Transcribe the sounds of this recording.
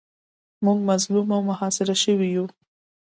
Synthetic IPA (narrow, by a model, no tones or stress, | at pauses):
muɡmazlumawmʊhɑsɪɾaʃəwiju